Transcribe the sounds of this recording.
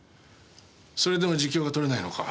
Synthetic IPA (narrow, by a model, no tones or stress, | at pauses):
so̞ɾe̞d̪e̞mo̞ʑikʲːo̞ːɡat̪o̞ɾe̞naino̞̰ka̰